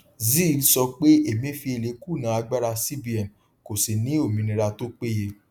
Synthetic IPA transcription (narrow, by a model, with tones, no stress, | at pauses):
zi˦˨˦sɔ˧k͡pe˦e˦˨mĩ˨˦˨fi˧e˨le˨˦ku˦˨nã˨˦a˧ɡ͡ba˦ɾa˧si˦bi˦ɛ˨n˨ | ko˨si˨nĩ˨˦o˦˨mĩ˨˧nĩ˧ɾa˧to˦k͡pe˦je˧